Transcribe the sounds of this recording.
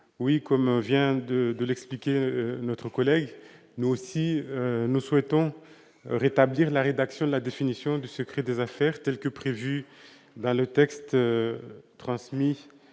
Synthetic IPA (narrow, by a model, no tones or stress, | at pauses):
wikɔmvjɛ̃d̪əd̪əlɛksplikʲenɔt̪χəkɔlɛɡ | nuosiønuswɛt̪ɔ̃ | ʁet̪abliʁlaʁed̪aksjɔ̃d̪əlad̪efinisjɔ̃d̪ysəkχɛd̪ezafɛːʁt̪ɛlkəpχevy | d̪ɑ̃lət̪ɛkst̪ | t̪χɑ̃smi